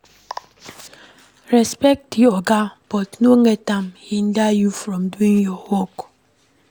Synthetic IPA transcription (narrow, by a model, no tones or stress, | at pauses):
ɾɛspɛk̚tjiɔɡab̥ɔtnoŋetamhin̩dajufɾɔmduiŋjɔhok